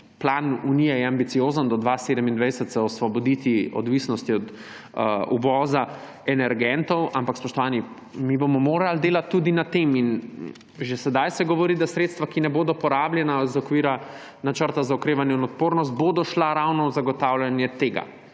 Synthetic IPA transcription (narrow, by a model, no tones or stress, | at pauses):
plaːnunijɛjɛambit̪sijoːzənd̪ɔd̪ʋaseːd̪əmind̪ʋɛjsət̪saɔsʋɔbɔd̪it̪iɔ̰d̪ʋisnɔst̪iɔd̪ | uʋɔːza | ɛnɛɾɡɛnt̪ɔwampakspɔʃt̪ɔʋaːni | mibomɔmoːɾald̪eːlat̪ːud̪inat̪emin | ʒɛsɛd̪ajsɛɡɔʋɔɾiːd̪asɾeːt̪st̪ʋakinɛboːd̪ɔpɔɾaːbljɛnazɔkʋiːɾa | nat͡ʃəɾt̪azaɔkɾeːʋanjɛinɔt̪̚poːɾnɔst̪̚bod̪ɔʃlaɾawnɔzaɡɔt̪awlʲjanjɛt̪eːɡa̰